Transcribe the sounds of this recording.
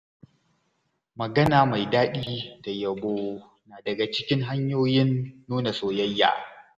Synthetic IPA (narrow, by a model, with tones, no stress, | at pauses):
mɐ˨ɡɐ˦naː˨ma˨jdaː˦ɗiː˦d̥a˨jɐ˨boː˦ | naː˨dɐ˨ɡa˨t͡ʃɪ˦kʲɪ˦ŋɦa˦ɲjoː˦jɪ˦nːuː˦na˨soː˨jɐ˦jːa̰ː˨